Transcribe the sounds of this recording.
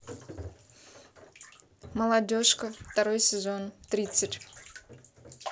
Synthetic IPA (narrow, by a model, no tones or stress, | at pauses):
məlˠɐdʲoʂkəft̪ɐɾojsʲɪzont̪ɾʲit̪sɨtʲ